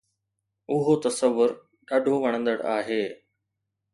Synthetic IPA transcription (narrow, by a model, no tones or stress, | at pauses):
ʊɦot̪ɐsəʋːʊɾ | ɗaːɖʱoʋɐɽ̃ə̃nd̪əɽaːɦeː